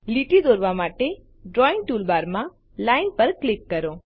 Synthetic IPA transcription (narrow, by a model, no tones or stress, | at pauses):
liʈid̪oːɾʋamaʈe | ɖɾɔɪ̃ŋ̚ʈuːlbaɾmã | laɪnpəɾklɪkːəɾõ